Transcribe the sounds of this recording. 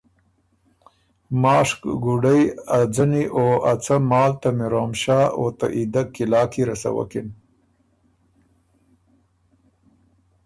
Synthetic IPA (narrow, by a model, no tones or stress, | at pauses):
mɑːʂkɡuɖɐjad͡zɐniʔoːʔat͡sɐmɑːlt̪ɐmiɾoːmɕaːoːt̪a̰ʔid̪akilɑːkiɾɐsɐ̰wɐ̰kin